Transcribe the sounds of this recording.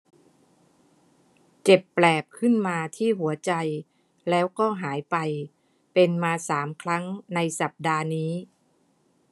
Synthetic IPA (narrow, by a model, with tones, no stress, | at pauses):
t͡ɕe˨˩pːlɛː˨˩p̚kʰɯ˥˩nmaː˧t̪ʰiː˥˩ɦu˩˦ɐt͡ɕa˧j | lɛː˦˥wkɔː˥˩ɦaː˩˦jpa˧j | pe˧nmaː˧saː˩˦mkʰɾa˦˥ŋna˧jsa˨˩p̚daː˧niː˦˥